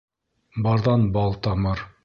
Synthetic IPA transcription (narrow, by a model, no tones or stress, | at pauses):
bɑɾðɑnbɑlˠt̪ɑmɤɾ